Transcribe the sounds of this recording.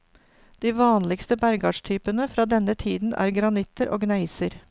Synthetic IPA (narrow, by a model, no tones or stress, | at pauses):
d̪̥iːʋɑːnlɪkst̪əbæɾɡɑːʂt̪ʰyːpənəfɾɑːd̪ɛnət̪ʰiːd̪n̩ʔæ̰ːɾɡɾɑnɪt̪əɾʔo̰ːɡnæɪsəɾ